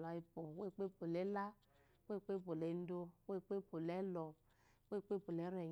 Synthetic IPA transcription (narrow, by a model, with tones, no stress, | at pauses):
la˨i˦po˨we˦˨k͡pe˦po˨le˨˦la˦ | we˦˨k͡pe˦po˨le˨˦n̩˦do˦we˦˨k͡pe˦po˨lɛ˨˦lɔ˨ | we˦˨k͡pe˦po˨le˨˦ɾɛ˨